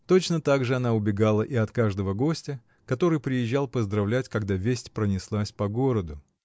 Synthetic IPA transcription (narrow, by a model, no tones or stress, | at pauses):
t̪o̞t͡ɕnət̪aɡʐɨɐn̪aʊbʲɪɡalˠəʔiɐt̪kaʐd̪əvəɡo̞sʲtʲə | kɐt̪o̞ɾɨjpɾʲɪjɪʑːalˠpəzd̪ɾɐvlʲætʲkɐɡd̪avʲesʲtʲpɾənʲɪslˠasʲpɐɡoɾəd̪ʊ